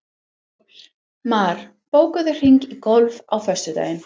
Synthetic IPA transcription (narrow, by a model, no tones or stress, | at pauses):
maːɾ̥ | poːwkaðʏr̥iŋkikɔlvawfœst̪ʏt̪a̰ːjɪn